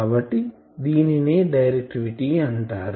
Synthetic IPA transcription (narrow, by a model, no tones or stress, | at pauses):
abɐʈːi | d̪iːnineːɖɐjɾek̚ʈiʋiʈiɐɳʈaːɾ